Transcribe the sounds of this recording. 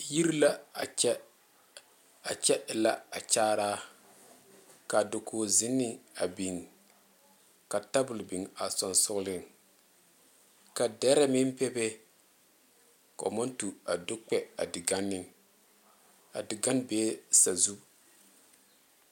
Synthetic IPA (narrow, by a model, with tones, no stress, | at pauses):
ji˦ɾla˦˨ɛ˦ | a˨t͡ʃɛ˦ʔɪ˨la˦a˨t͡ʃaː˦ɾaː˦ | ka˨do˨kʰoː˨zɪ˦nːɪ˨a˨bi˨ŋ | ka˨ta˦bʊ˨lbi˨ŋa˨sɔ˨nsʊ˦ɣlɪ˦ŋ | ka˨dɛ˦ɾɛ˦mɪ˦m˦pɛ˦be˦ | kɔ̰˨ma˦ntu˨a˨do˦k͡pɛ˦a˨dɪ˨ɡa˦nːɪ˦ | a̰˨dɪ˨ɡa˦nbeː˦sa˨zu˦